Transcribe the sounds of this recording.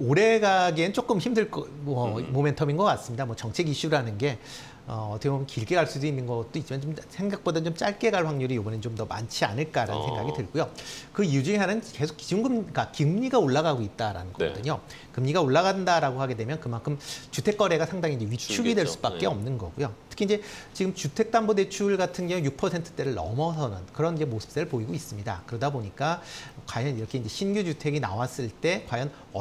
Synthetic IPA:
oɾe̞ɡaɡenɯnt͡ɕ͈ok͈ɯmçimdɯɭk͈ʌmʌmome̞ntʰʌminɡʌk͈ats͈ɯmɲidamwʌt͡ɕʌŋt͡ɕʰe̞ɡiɕ͈uɾanɯnɡe̞ | ʌʌt͈ʌkeomnkiɭk͈e̞ɡaɭs͈uduinːɯnɡʌt̚t͈oit͡ɕ͈imant͡ɕomsʰe̞ŋɡak̚p͈odʌnt͡ɕomt͡ɕ͈aɭk͈e̞ɡaɭɸwaŋɲuɾijoɡʌnent͡ɕomdʌma̰nt͡ɕʰia̰nɯɭk͈aɾa̰nɯnsʰe̞ŋɡa̰ɡidɯɭɡujokɯiud͡ʑuŋeɦanɯnke̞sʰo̥kiuŋɡɯmɡakɯmɲiɡaoɭːaɣaɡoit̚t͈aɾa̰nɯnɡʌk͈ʌ̰dɯɲo | kɯmɲiɡaoɭːaɣadɯndaɾaɡohaɡe̞dwe̞mjʌnkɯmankʰɯmt͡ɕutʰe̞k͈ʌɾe̞ɡasʰaŋdaŋid͡ʑe̞ɥit͡ɕʰuɡidwe̞ɭs͈u̥bak̚k͈e̞ʌmnɯnɡʌ̰ɡujotʰɯ̥kʰind͡ʑe̞t͡ɕiɡɯmt͡ɕutʰe̞k̚t͈ambode̞t͡ɕʰuɭɡatʰɯnɡʌŋojuk̚pʰʌsʰe̞ntʰɯ̥t͈eɾɯɭnʌ̰mʌsʰʌnɯnkɯɾʌnid͡ʑe̞mosʰɯ̥p̚s͈eɾɯɭpoiɡois͈ɯmɲida̰kɯɾʌdaboɲik͈akwajʌniɾʌkʰe̞ind͡ʑe̞ɕʰinɡjud͡ʑutʰe̞ɡina̰was͈ɯɭt͈e̞kwajʌn | ʌ

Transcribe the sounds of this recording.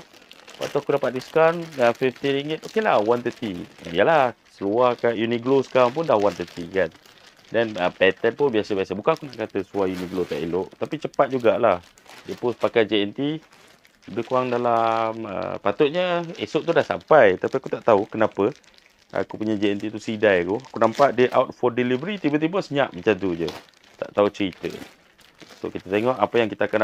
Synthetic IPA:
pa̰t̪uakudapaʔtiskanəfift̪iɾiŋət̪okelahwant̪ət̪ḭijəlasəluahkaʔjuniɡlosə̥kaamp̬ʊndahwant̪ət̪ikan | dɛnəpɛt̪ɛnpʊnbiasəbiasəbukanakunaʔkat̪əsuajuniɡlot̪aʔiloʔt̪apit͡ʃəpat̪̚d͡ʒuɡaʔlah | dəpʊspakajd͡ʒeɛnt̪i | udəkuaŋdalamə̰pat̪ʊt̪̚ɲəesʊʔt̪udahsa̰mpajt̪apiakut̪aʔt̪aukənapə | a̰kupuɲad͡ʒiɛnt̪it̪usidajkuakunampaʔdəʔawt̪̚fɔdilivəɾit̪ibət̪̬ibəsəɲaʔmət͡ʃad̪ud͡ʒə | t̪a̰ʔt̪aut͡ʃɾit̪ə̰ | so̰kit̪at̪eŋɔʔapəjaŋkit̪aakan

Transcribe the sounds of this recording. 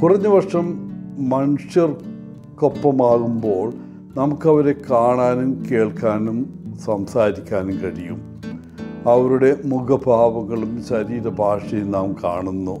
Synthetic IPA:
kurɐɲːɨʋɐʂɐmːɐnuʂjɐr | ko̞pːɐmaːɣumbo̞ːɭ | nɐmukːɐʋɐɾe̞kaːɳaːnumke̞ːɭkaːnum | sɐmsaːɾikʲːaːnumkɐɽijṵm | ɐʋɐɾuɽe̞muɡɐbʱaːʋɐŋːɐɭumɕɐɾiːɾɐbʱaːʂɐjumnaːmka̰ːɳunːu

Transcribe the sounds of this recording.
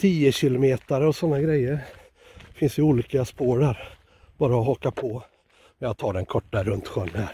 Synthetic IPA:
t̪ʰiːəɕɪlʊmeːt̪aɾɔsɔnːaɡɾɛjːəɾ | fɪnsɪuːliːkaspoːɖæɾ | b̥ɑːɾaɔɦɔkapʰɔ | ɛjɑt̪ʰɑːɖɛnkʰɔʈːaɾɵnt̪ɧœnːhæːɾ

